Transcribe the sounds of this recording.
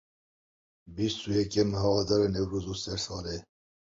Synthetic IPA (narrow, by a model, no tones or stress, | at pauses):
bist̪uːjɛkɛməɦɑwɑd̪ɑːɾɛnɛwɾoːzusɛɾsɑːle